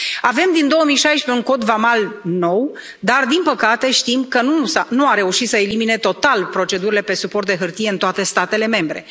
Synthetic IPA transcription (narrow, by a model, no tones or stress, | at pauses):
ave̞md̪ind̪o̞wəmijʃajʃpe̞unko̞d̪vamalno̞w | d̪ard̪inpəkat̪e̞ʃt̪imkənusanuaɾe̞uʃit̪səelimine̞t̪o̞t̪alpɾo̞t͡ʃe̞d̪uɾile̞pe̞supo̞rt̪̚d̪e̞ɦɨrt̪ije̞ɨnt̪oat̪e̞st̪at̪e̞le̞me̞mbɾe̞